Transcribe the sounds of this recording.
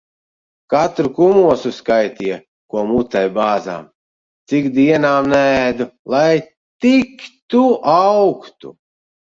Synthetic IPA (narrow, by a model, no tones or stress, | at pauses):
kat̪ɾukumuɔsuskajt̪ijɛ | kuɔmut̪ajbaːza̰ːm | t̪sikd̪iɛnaːmnæːd̪ulˠaj | t̪ikt̪uawkt̪ṵ